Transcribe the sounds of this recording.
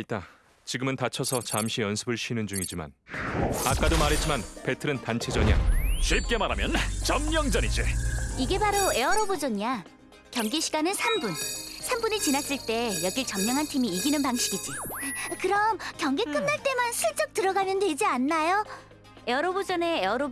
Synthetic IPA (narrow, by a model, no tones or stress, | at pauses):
it͈a | t͡ɕiɡɯmɯntat͡ɕʰʌsʰʌt͡ɕamɕʰijʌnsʰɯbɯɭɕʰinɯnd͡ʑuŋid͡ʑima̰n | ak͈adomaɾɦet̚t͡ɕ͈imanpe̞tʰɯɾɯntant͡ɕʰe̞d͡ʑʌɲa̰ɕʰɥip̚k͈e̞maɾamjʌnt͡ɕʌmɲʌŋd͡ʑʌnid͡ʑḭiɡe̞baɾoe̞ʌɾʌbod͡ʑʌɲia | kjʌŋɡeɕʰiɡanɯnsʰambunsʰambunit͡ɕinas͈iɭt͈e̞jʌɡit͡ɕʌmɲʌŋɦantʰimiːɡinɯnpaŋɕʰiɡid͡ʑikɯɾʌmkjʌŋɡekn͈ɯmnaɭt͈e̞mansʰɯɭt͡ɕ͈ʌk̚tɯɾʌɡanjʌnde̞d͡ʑianːajo | e̞ʌɾobod͡ʑʌne̞ːʌɾo